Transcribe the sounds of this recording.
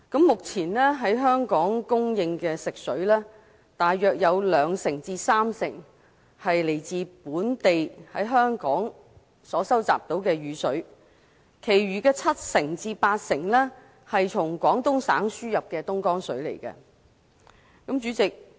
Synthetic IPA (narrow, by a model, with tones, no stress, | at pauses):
kɐ˨˥mːʊ˨k̚t͡sʰiː˨˩nlɛː˥ɦɐ˨˥jɦœː˥ŋkɔː˨˥ŋkʊ˥ŋjɪ˧ŋkɛː˧sɪ˨k̚sɵ˨˥ɥlɛː˥ | t̪aː˨jːœː˨k̚jɐ˨˧wlœː˨˧ŋsɪ˨˩ŋt͡siː˧saː˥msɪ̰˨˩ŋ | hɐ˨jle˨˩jt͡siː˨puː˨˥nt̪e˨jhɐ˨˥jɦœː˥ŋkɔː˨˥ŋ | sɔː˨˥sɐ˥wt͡sa̰ː˨p̚t̪o˨˥wkɛː˧ɥyː˨˧sɵ˨˥ɥ | kʰe˨˩jɥyː˨˩kɛː˧t͡sʰɐ˥t̚sɪ˨˩ŋt͡siː˧paː˧t̚sɪ˨˩ŋlɛː˥ | hɐ˨jt͡sʰʊ˨˩ŋkʷɔː˨˥ŋt̪ʊ˥ŋsa̰ː˨˥ŋsyː˥jɐ˨p̚kɛː˧t̪ʊ˥ŋkɔː˥ŋsɵ̰˨˥ɥlḛ˨˩jkɐ̰˧ | kɐ˨˥mt͡ʃyː˨˥t͡sɪ˨k̚